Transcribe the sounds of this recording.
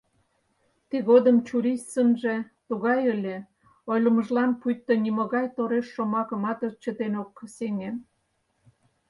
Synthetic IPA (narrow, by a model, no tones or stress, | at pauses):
t̪iɣod̪əmt͡ɕuɾist̪sənʒe̽t̪uɣɑjəlʲe | ojlə̆məʒlɑnpujt̪ːonimoɣɑjt̪oɾeʃːomɑkə̆mɑt̪ət͡ɕət̪enokːseŋem